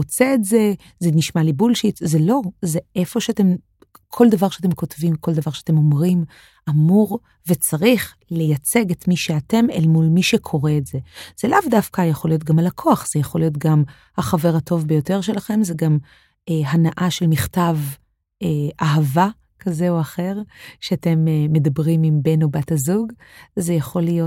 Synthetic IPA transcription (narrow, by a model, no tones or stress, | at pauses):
ot͡seːtze̞ | zeniʃmalibulʃitzelo̞zeʔefo̞ʃeate̞m | kʰo̞ldavaʁʃeatemko̞tvimko̞ldavaʁʃeatemo̞mʁim | ʔamuʁ | ve̞t͡saʁiχ | le̞jat͡seɡe̞tmiʃeate̞melmulmiʃekʰo̞ʁeːtze̞z̥elavdafkajaχo̞lijo̞t̬̚ɡamalakʰoaχz̥ejaχo̞lijo̞t̬ɡam | haχave̞ʁhatʰo̞vbejo̞te̞ʁʃ̬e̞laχe̞mzeɡam | eɦanaʔaʃelmiχtav | eʔaɦava | kʰazeoaχe̞ʁʃeate̞meːe̞dabʁimimbe̞nobathazuɡzejaχo̞lijot